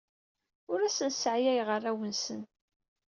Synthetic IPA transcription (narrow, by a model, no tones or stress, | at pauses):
ʊɾæsənsʕjæjʁərːæwənsən